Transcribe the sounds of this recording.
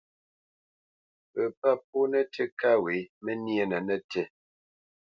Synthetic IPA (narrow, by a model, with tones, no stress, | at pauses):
pə˨pa˦p̚u˦nə˦tʰə˦ka˦we˨˦mə˦nje˦˨nə˨nə˦te˦